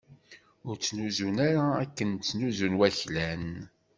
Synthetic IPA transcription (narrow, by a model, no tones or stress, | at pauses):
ʊɾt͡sːnuzunaɾaækːənt͡sːnuzunwæçlæn